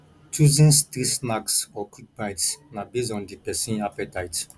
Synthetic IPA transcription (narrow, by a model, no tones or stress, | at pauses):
t͡ʃʰuzĩnst̪isnaɡsɔkʰit̚bãjtsnabizɔ̃nd̪ipɛsĩnapɛt̪ʰajt